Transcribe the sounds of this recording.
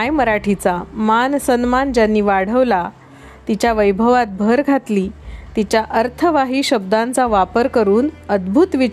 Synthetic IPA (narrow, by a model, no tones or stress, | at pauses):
ajməɾaʈʰit͡samansənmand͡ʑjanːiːʋaɽ̤əʋla | t̪it͡ɕjaʋəjbʱəʋat̪̚bʱəɾɡʱat̪liːt̪it͡ɕjaʔəɾt̪ʰəʋaɦiːɕəb̚d̪ãnt͡saʋapəɾkəɾuːnəd̪bʱut̪ʋi